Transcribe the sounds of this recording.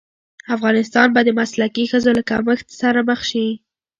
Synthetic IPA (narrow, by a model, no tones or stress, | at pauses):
afɣɑnɪst̪ɑnbad̪ːəmaslakixəzolakaməxt̪saɾaməxʃi